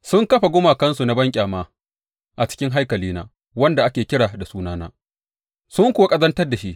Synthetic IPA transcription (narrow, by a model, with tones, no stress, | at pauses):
sʊ˦ŋkɐ˦ɸa˨ɡʷʊ˦maː˨kɐ˦nsu˨na˦bɐ˦ŋkʲʼaː˨maː˦ | ʔa˨t͡ʃɪ̥˦kʲɪ˦ŋɦa˦jkɐ˨liː˦na̰ː˦ | wɐ˦nda˨ʔa˦kʲeː˨kʲɪ˦ɽaː˨da˨suː˦naː˦na̰ː˦ | sʊ˦ŋkʷʊ˨wa˦kʼɐ˦zɐ˦ntɐ˦rda˨ʃi˦ʔ